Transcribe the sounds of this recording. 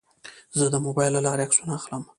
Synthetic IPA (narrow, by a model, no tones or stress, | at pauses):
zəd̪əmobɑjlːalɑɾeaksunaaxləm